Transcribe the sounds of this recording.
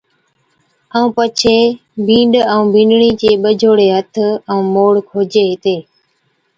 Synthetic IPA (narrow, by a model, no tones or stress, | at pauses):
əũːpət͡ʃʰeː | bʱĩːɳɖəũːbʱĩːɳɖɳiːt͡ʃeːɓəd͡ʒʱoːɽeːɦət̪ʰəũːmoːɽkʰoːd͡ʒeːɦt̪eː